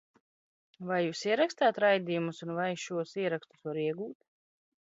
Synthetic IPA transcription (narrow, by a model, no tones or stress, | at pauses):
vajːuːsiɛɾakst̪aːt̪ɾajd̪ijumusunvajʃuɔsiɛɾakst̪u̥svaɾiɛɡuːt̪